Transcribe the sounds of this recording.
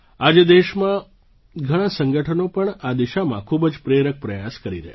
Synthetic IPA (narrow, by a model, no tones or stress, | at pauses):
ad͡ʒed̪eʃmã | ɡʱəɽ̃ãsəŋɡəʈʰənopəɳad̪iʃamãkʰubəd͡ʒpɾeɾək̚pɾəjaskəɾḭɾə̰ɦe